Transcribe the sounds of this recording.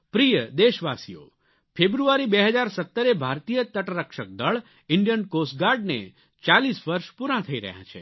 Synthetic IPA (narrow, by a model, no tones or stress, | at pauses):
pɾijəd̪eʃʋasijo̰ | fʰebɾuaɾibeɦəd͡ʒaɾsət̪ːəɾebʱaɾt̪ijət̪əʈɾəkʃək̚d̪əɭ | ɪɳɖijənkos̚ɡaɾɖnḛ | t͡ʃalisʋəɾʃpuɾãt̪ʰəiɾə̰ɦjã̰t͡ʃʰḛ